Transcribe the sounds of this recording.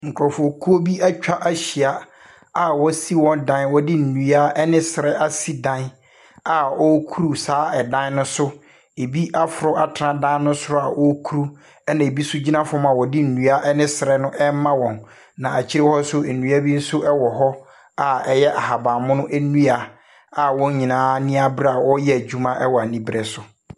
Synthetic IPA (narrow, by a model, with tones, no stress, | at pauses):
ŋ̩˨kʊ˨ɾɔ˨fɔ˨kʰu˦o˦bi˦a˦t͡ɕᶣa˦ʔa˦ɕi˨a˨ | a˨wɔ˦si˦wɔ̃˦ndã˦nwɔ˦dɪ˦n̩˨nũ˨a˦ɛ˦nɪ̃˦sɪ˨ɾɛ˦ʔa˦si˦dã˦n | a˨ɔ˦kʰu˦ɾu˨saː˨˦ɛ˨dã˦n˦nʊ̃˦sʊ˦ | e˨bi˦ʔa˦fʊ˨ɾʊ˦a˨tʰɾã˦dã˦nʊ̃˦sʊ˦ɾʊ˦a˨ʔɔ˦kʰu˦ɾu˦ | ɛ˦nã˨e˨bi˦sʊ˦d͡ʑi˦nã˦fʊ˦ɔ̃˦mã˨wɔ˨dɪ˦n̩˨nũ˨a˦ʔɛ˦nɪ̃˦sɪ˨ɾɛ˦nʊ̃˦ʔɛ˦m˦mã˦wɔ̃˨n | nã˨a˨t͡ɕʰi˦ɾe˦hɔ˦sʊ˦e˨nũ˨˦a˦bi˦n̩˦sʊ˦ʔɛ˦wɔ˨ɦɔ˦ | a˨ɛ˦jɛ˦ʔa˨ɦa˨ba˨mʊ̃˦nʊ̃˦ʔæ˦nũ˦a˨ | a˨wɔ̃˦ɲĩ˨nãː˨˦nĩ˦a˦bɾa˦a˨wɔ˦jɛ˦æ˨d͡ʑᶣu˦mã˦ʔɛ˦wɔ˨a˨nĩ˦bɾɛ˨sʊ˨